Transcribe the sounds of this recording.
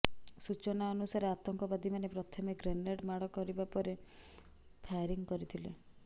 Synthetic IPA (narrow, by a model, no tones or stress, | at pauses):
sut͡ʃɔnaɔnusaɾeat̪ɔŋkɔbad̪ʱimanepɾɔt̪ʰɔmeɡɾeneɽmaɽɔkɔɾibapɔɾe | pʰajɾiŋkɔɾit̪ʰilḛ